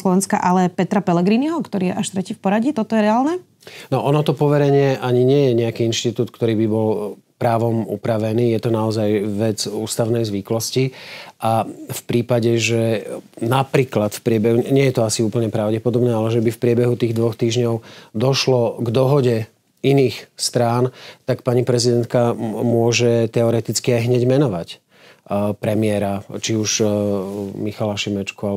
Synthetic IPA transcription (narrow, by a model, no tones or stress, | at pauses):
lɔʋɛnska̰ʔalɛpɛt̪ɾapɛlɛɡɾiniɦɔkt̪ɔɾiːjɛ̰ʔaʃt̪ɾɛciːfpɔɾaɟit̪ɔt̪ɔjɛɾɛaːlnɛ | nɔʔɔnɔt̪ɔpɔʋɛɾɛɲɪɛʔaɲiɲɪɛjɛɲɛakiinʃt̪it̪uːt̪̚kt̪ɔɾiːbibɔl | pɾaːʋɔmṵpɾaʋɛniːjɛt̪ɔnaɔzajʋɛd͡zuːst̪aʊnɛjzʋiklɔsciʔafpɾiːpaɟɛʒɛnapɾiːklat̪fpɾɪɛbɛɦuɲɛjɛt̪ɔasiuːpl̩ɲɛpɾaʊɟɛpɔd̪ɔbɲɛalɛʒɛbifpɾɪɛbɛɦut̪iːɣd̪ʋɔxt̪iːʒɲɔʊd̪ɔʃlɔɡd̪ɔɦɔɟɛ | iniːxst̪ɾaːnt̪akpaɲipɾɛzid̪ɛnt̪̚kamʊɔʒɛt̪ɛɔɾɛt̪it͡skiajɦɲɛɟmɛnɔʋac | pɾɛmɪɛɾat͡ʃiuʃ | mixalaʃimɛt͡ʃkual